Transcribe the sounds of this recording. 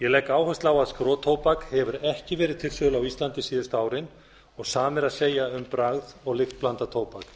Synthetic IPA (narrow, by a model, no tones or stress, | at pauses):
jɛlɛkaːwhœst̪laːwaðskɾoːt̪ʰoːwpakhɛvʏɾɛhcɪvɛːɾɪðt̪ʰɪlsʏːðʏlawist̪lant̪ɪsiːðɪst̪aːwɾɪn | ɔɣsaːmɪɾaðseːjaʏmpɾaɣðɔɣlɪxt̪̚plant̪at̪ʰoːwpak